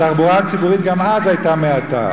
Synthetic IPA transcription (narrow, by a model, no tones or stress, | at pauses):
aχbuʁat͡sibuʁit̪ɡamazajtameata̰